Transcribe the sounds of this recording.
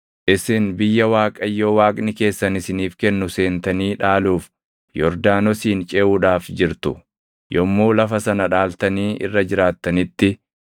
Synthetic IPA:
ʔɪsɪnbɪjːɐwaːkʼɐjːowaːkʼnɪke̞ːsːɐnɪsɪniːfkɛnːʊse̞ːnt̪ɐniːᶑaːluːf | jɔɾd̪aːnɔsiːnt͡ʃʼɛːʔuːᶑaːfd͡ʒɪɾt̪ʊ | jɔmːoːlɐfɐsɐnɐᶑaːlt̪ɐniːɪ̰rːɐd͡ʒɪɾaːt̪ːɐnɪt̪ːɪ

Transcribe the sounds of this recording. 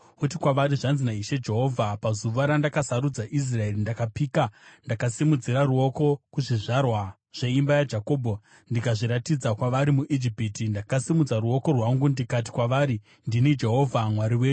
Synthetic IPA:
utikwaʋaɾiʐanzinaiʃe̞d͡ʒe̞ɦo̞ːvʱapazuʋaɾandakasaɾud͡zaʔis̬rae̞rindakapiːkandakasimud͡ziɾaruo̞ko̞kuʐiʐarwa | ʐ̥e̞imbajad͡ʒako̞ːbʱo | ndikaʐiɾatid͡zakwaʋaɾimuʔid͡ʒipitindakasimud͡zaruo̞ko̞rwaŋɡundikati̥kwaʋaːɾi | ndinid͡ʒe̞ɦo̞vʱamwaɾiweːɲu

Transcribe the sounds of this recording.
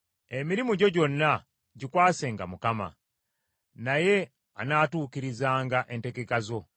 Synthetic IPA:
emiɾimuɟo̞ɟo̞nːa | ɟikwaːse̞ŋɡamukama̰ | naje̞ | a̰naːtuːkiɾizaːŋɡaʔe̞nte̞kekazo̞

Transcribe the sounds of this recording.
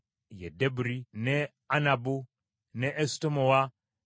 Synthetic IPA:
jedebuɾine | anabu | neʔːstomowa

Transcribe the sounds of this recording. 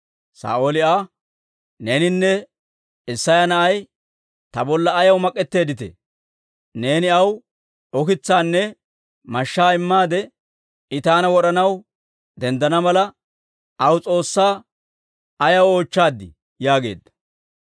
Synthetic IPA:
sa̰ːʔoːlɪaː | neːnɪnːɛ | ɪsːɐjɐnɐʔɐj | t̪ɐbɔlːɐːjɐwmɐkʼːɛt̪ːe̞ːd̪ɪt̪ɛ̰ | ne̞ːnɪɐw | ɔkɪt͡sːaːnːɛ | mɐʃːaːɪmːaːd̪ɛ | ɪt̪aːnɐwɔɗɐnɐw | d̪ɛnd̪ɐnɐmɐlɐ | ɐwt͡sʼo̞ːsːaː | ɐjɐwo̞ːt͡ʃːaːd̪ːɪ̰ | jaːɡe̞̰ːd̪ːɐ̥

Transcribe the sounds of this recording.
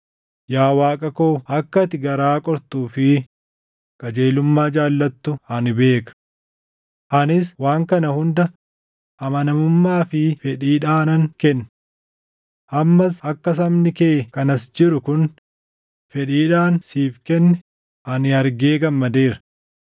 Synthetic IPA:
jaːwaːkʼɐkoːɐkːɐt̪ɪɡɐɾaːkʼɔɾt̪uːfɪ | kʼɐd͡ʒeːlʊmːaːd͡ʒaːlːɐt̪ːʊhɐnɪbe̞ːkɐ̥ | ʔɐnɪswaːŋkɐnɐhʊnd̪ɐ | ɐmɐnɐmʊmːaːfɪfɛᶑiːᶑaːnɐŋkɛnː | ʔɐmːɐsɐkːɐs̬ɐmnɪkeːkɐnɐsd͡ʒɪɾʊkʊn | fɛᶑiːᶑaːnsiːfkɛnːɛ | ʔɐnɪɐɾɡeːɡɐmːɐd̪e̞ːɾɐ̥

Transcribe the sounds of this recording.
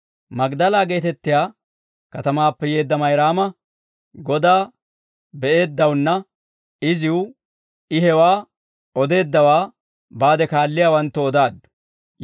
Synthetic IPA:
mɐɡd̪ɐlaːɡe̞ːt̪ɛt̪ːɪjaː | kɐt̪ɐmaːpːɛje̞ːd̪ːɐmɐjɾaːmɐ | ɡɔd̪aː | bɛʔe̞ːd̪ːɐwnːɐ | ɪzɪwʊ | ɪɦɛwaː | ɔd̪e̞ːd̪ːɐwaː | baːd̪ɛkaːlːɪjaːwɐnt̪ːɔːd̪aːd̪ːʊ̥

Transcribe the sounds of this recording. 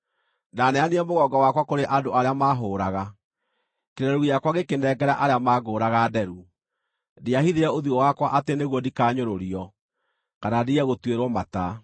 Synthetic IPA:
nanɛaniɛmoɣɔɡɔwakwakoɾeʔadoaɾeamaɦoːɾaɣa | keɾɛɾujakwaɣekendɛɡɛɾaʔaɾeamaːɡoːɾaɣadɛɾu | deahiðeɾɛoðiɣɔwakwaʔateneɣwɔdikaːɲoɾoɾiɔ | kanadiɛɣotweɾwɔmata

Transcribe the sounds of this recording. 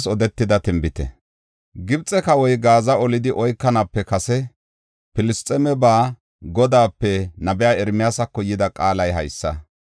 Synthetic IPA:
sɔd̪ɛt̪ːɪd̪ɐt̪ɪmbɪt̪ɛ̰ | ɡɪbt͡sʼːɛkɐwɔjɡaːzɐɔlɪd̪ɪʔɔjkːɐnɐpːɛkɐsɛ | pɪlɪst͡s̪ʼɛmɛbaː | ɡɔd̪aːpːɛnɐbɛjaːɛɾmɪjaːsɐkːɔjɪd̪ɐkʼaːlɐjɦɐ̰jsːɐ

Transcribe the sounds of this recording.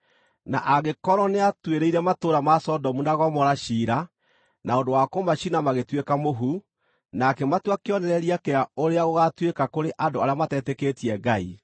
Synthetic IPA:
na̰ʔaɣekɔɾɔneatweɾeiɾɛmatoːɾamasɔdɔmunaɣɔmɔɾaʃiːɾa | naondowakomaʃinamaɣetwekamoɦu | nakɛmatwakeɔnɛɾɛɾiakeaoɾeaɣoɣatwekakoɾeʔandoaɾeamatɛtɛketiɛɡai

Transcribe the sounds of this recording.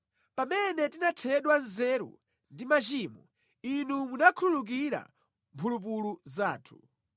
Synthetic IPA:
pamɛnɛtinatʰɛɗwanzɛɾṵ | ndimat͡ʃiːmɔ̰ | inumunakʰululuk̬iɾa̰ | mpʰulup̬uluzaːtʰu̥

